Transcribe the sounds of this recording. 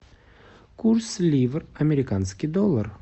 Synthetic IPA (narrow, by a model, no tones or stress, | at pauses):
kʰuɾslʲivəɾamʲeɾʲɪkɑnskʲid̪olˠːəɾ